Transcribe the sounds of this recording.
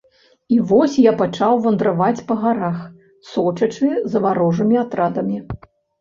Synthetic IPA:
ivɔsʲjapat͡ʂawvɐnd̪ɾavat͡sʲpɐɣaɾax | sɔt͡ʂɐt͡ʂɨzɐvaɾɔʐɨmʲiat̪ɾad̪ɐmʲi

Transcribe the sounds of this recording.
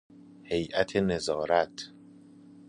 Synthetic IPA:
he̞jʔæt̪ʰenezɒːɾæt̪ʰ

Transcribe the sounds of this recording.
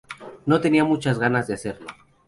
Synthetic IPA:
no̞t̪e̞niamut͡ʃazɣanazðease̞ɾlo

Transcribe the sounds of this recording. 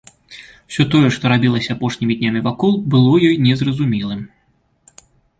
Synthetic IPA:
wsʲɔt̪ɔjɛʂt̪ɔɾabʲilˠɐsʲɐapɔʂnʲimʲid̪ʲnʲamʲivakɔlˠbɨlˠɔjɔjnʲɛzrɐzumʲilˠɨm

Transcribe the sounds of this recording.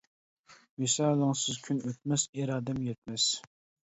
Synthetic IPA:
mɪsɑːlˠəŋsɨzkʲʰynøt̪̚mɛsiɾɑːd̪ɛmjɛt̪̚mɛs

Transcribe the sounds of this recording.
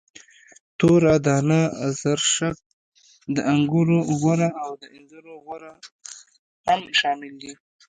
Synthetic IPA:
t̪oɾad̪ɑnazaɾʃak̚ | d̪əʔaŋɡuɾoɣaɾaawd̪əɪnzaɾoɣwaɾa | hamʃɑːmɪld̪i

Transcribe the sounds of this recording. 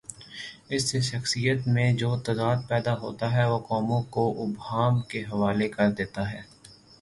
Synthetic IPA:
ɪsːeʃɐxsijət̪mẽd͡ʒoːt̪ɐd̪aːd̪̚pɛːd̪aɦo̰ːt̪aɦɛʋokɔːmõkoʔʊbɦaːmkeɦɐʋaːlekɐɾd̪eːt̪aɦɛː

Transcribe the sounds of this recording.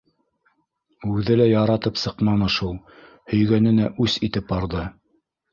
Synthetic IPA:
ʉðɘlæjɑɾɑt̪ɤpsɤ̆qmɑnɤ̆ʃulˠ | hɵ̆jɡænɘ̆næʔʉsit̪ɘp̚ɑɾðɤ

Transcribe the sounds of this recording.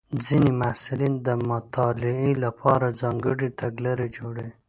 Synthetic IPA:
d͡zinimasɪlind̪əmʊt̪ʰɑlɪilapʰɑɾazɑŋɡəɽit̪aɡlaɾed͡ʒoɽe

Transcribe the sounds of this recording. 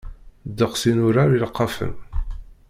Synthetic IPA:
d̪əqsinʊɾaɾilqːɑfə̰m

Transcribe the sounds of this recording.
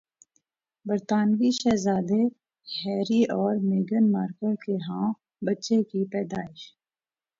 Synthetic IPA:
bəɾt̪aːnʋiʃɛːzaːd̪e | hɛːɾiʔɔːɾmeːɡənmaːɾkəɾkeɦãː | bətːʃekipɛːd̪aːɪʃ

